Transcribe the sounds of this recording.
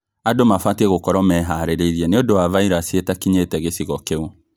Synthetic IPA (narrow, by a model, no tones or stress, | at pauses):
adomafwatɛɣokɔɾɔmɛɦaɾeɾeiɾiɛneodowavaiɾasietakiɲeːtɛɣesiɣɔkeo